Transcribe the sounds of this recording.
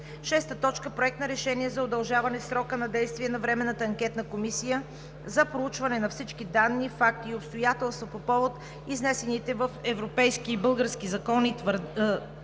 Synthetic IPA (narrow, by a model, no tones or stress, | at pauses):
ʃɛst̪ət̪ɔt͡ʃkəpɾoɛk̚t̪nɐɾɛʃɛniɛzɐod̪ɐlˠʒavɐnɛsɾɔkənɐd̪ɛjst̪viɛnɐvɾɛmɛnːət̪əɐŋk̟ʲɛt̪nəkomisijə | zɐpɾout͡ʃvɐnɛnɐfsit͡ʃkid̪anːifak̚t̪iːopst̪ojat̪ɛlˠst̪vopopɔvot̪ | iznɛsɛnit̪ɛvəfɛvɾopɛjskiːbɤlˠɡəɾskizɐkɔnit̪vɾ